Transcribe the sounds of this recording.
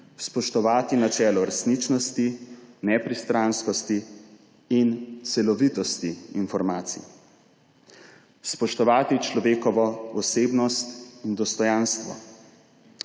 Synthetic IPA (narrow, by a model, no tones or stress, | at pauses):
spɔʃt̪ɔʋaːt̪inat͡ʃɛːlɔɾɛsnit͡ʃnɔst̪inɛpɾist̪ɾaːnskɔst̪iː | nt̪sɛlɔʋit̪ɔst̪iːnfɔɾmaːt̪sḭ | spɔʃt̪ɔʋaːt̪it͡ʃlɔʋeːkɔʋɔɔseːbnɔst̪ind̪ɔst̪ɔjanst̪ʋɔ̰